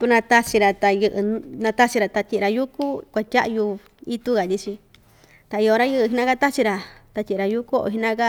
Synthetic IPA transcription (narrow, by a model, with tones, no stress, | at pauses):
t̪u˧nã˧t̪a˧t͡ʃi˧ɾa˧t̪a˧jɨ˧ʔɨ˧nã˧t̪a˦t͡ʃi˧ɾa˧˨t̪a˧t̪ʲi˧a˧ju˦ku˦kʷa˧tʲa̰˦ʔju˧ | i˦t̪u˦ɣa˨t̪ʲi˧t͡ʃi˧ | t̪a˨i˧o˧ɾa˦jɨ˦˧ʔɦi˧nã˦ka˦t̪a˦t͡ʃi˧ɾa˧t̪a˧tʲĩ˧˨˧ɾa˧ju˦ko˦o̰˧ɦi˧nã˦ka˦